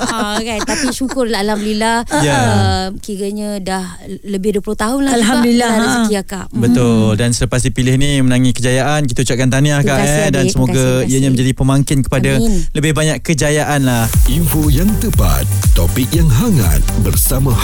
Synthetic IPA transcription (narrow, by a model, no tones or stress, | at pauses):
aɣajt̪apiʃukʊrlaalhamdulilahjaəmkiɾəɲadah | ləbɪhduəplʊht̪aɦʊnlaalɦamdulilaaɾst̪iakaʔbət̪ʊldansələpas̬ipilɪhnimənaŋikəd͡ʒajaʔankit̪aut͡ʃaʔ̚kant̪aniakaʔdansəmoɡaiəɲamə̃ɲd͡ʒadipəmaŋkɪnkə̥padaləbɪhbaɲakkəd͡ʒajaʔanlahʔimfojaŋt̪əpa̰t̪ːopik̚jaŋɦaŋa̰t̪̚bərsamã